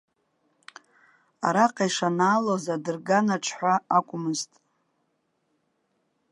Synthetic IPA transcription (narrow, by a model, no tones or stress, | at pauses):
a̰ɾaqʼajʂanaːlozadɨrɡanaʈ͡ʂʷʰħʷaakʷʼʊmɨztʼ